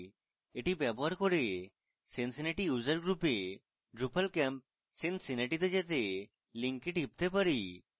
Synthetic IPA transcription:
eʈibjɛboɦaɾkoɾe | sensineʈijuzəɾɡɾupe | ɖɾupalkɛmp̚ | sensineʈit̪ed͡ʒet̪e | liŋkiʈɦip̚t̪epaɾi

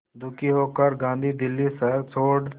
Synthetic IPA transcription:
d̪ʊkiːɦoːkəɾɡãːnd̪ʱiːd̪ɪlːiːsəɾt͡sʰoːɖ

